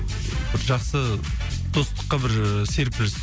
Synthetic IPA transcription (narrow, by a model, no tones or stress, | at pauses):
bɪɾʒɑχsə | d̪̥o̞st̪ə̥qːɑbɪɾse̞ɾpɪls